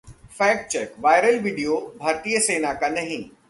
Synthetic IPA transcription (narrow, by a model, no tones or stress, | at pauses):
fɛːk̚t͡ʃɛkʋaːɪɾəlʋiːɖijobʱaːɾt̪ijəseːnakanɐɦĩ